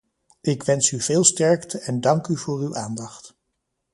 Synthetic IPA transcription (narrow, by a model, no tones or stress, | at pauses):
ʔɪkʋɛnsyv̥ɪːlˠstɛɹktəɛndɑŋkyvʊːrywʔaːndɑχt